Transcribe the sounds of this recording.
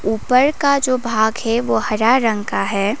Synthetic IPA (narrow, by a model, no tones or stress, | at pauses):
uːpəɾkad͡ʒoːbʱaːɡɦɛʋoːhɐɾaɾə̃ŋɡkaɦɛː